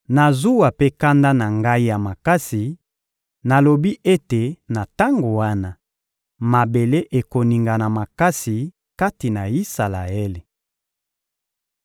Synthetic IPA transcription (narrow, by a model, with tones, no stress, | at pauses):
na˨zu˦wa˨pe˦ka˦nda˦na˨ŋɡa˦i˦ja˨ma˨ka˦si˨ | na˨lo˨bi˦ʔe˦te˨na˨ta˦ŋɡo˨wa˦na˦ | ma˨be˨le˦ʔe˨ko˨ni˨ŋɡa˨na˨ma˨ka˦si˨ | ka˦ti˨na˨i˦sa˨la˨e˦le˨